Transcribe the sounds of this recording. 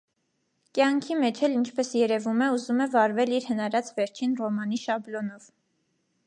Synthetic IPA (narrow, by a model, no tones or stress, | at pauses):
kjɑŋkʰimɛt͡ʃʰɛlint͡ʃʰpɛsjɛɾɛvumɛuzumɛvɑɾvɛliɾhənɑɾɑt͡svɛɾt͡ʃʰinrɔmɑn̪iʃɑblɔnɔv̥